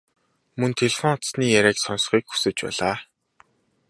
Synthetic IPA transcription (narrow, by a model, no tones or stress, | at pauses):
mɵnt̪ʰeɮfɔŋʊt̪sniːjæɾʲæːksɔns̆χiːkxu̥sɘ̆t͡ɕpæ̰ːɮaː